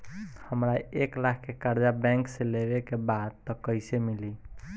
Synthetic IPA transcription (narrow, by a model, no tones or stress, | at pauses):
həmɾaeklakʰkekaɾd͡ʒabɛ̃ŋkselebekebad̪̚t̪ɔkəɪsemili